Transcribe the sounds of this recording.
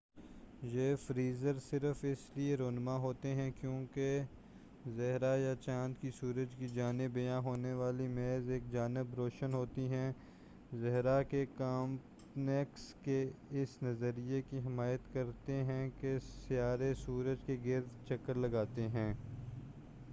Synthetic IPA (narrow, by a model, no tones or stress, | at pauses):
jeːfɾiːzəɾsɪɾəfɪslieɾoːnmaɦoːt̪eɦɛ̃kjõːke | zɐɦɾajat͡ʃãːnd̪kisuːɾəd͡ʒkid͡ʒaːnɪbɪjãɦoːneʋaːlimeːzeːk̚d͡ʒaːnɪbɾoːʃənɦoːt̪iɦɛ̃ | zɛɦɾakekaːmp | nɛkskeɪsnɐzəɾijekiɦɪmaːjət̪kɐɾt̪eɦɛ̃kesɪjaːɾesuːɾəd͡ʒkeɡɪɾd̪t͡ʃɐkːəɾlɐɡaːt̪eɦɛ̃ː